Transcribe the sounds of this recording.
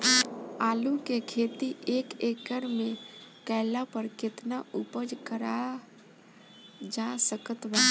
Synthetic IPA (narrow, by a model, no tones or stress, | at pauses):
aːlukekʰeːt̪iʔeːkeːkəɾmẽkɛːlapəɾkɪt̪naupəd͡ʒkəɾa | d͡ʒasəkət̪baː